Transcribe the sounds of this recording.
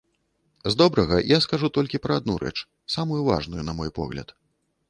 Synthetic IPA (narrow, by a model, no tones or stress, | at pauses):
zd̪ɔbɾɐɣɐjaskaʐut̪ɔlʲkʲipɾɐad̪̚nuɾɛ̰t͡ʂ | samujuva̰ʐnujunɐmɔjpɔ̰ɣlʲɐ̰t̪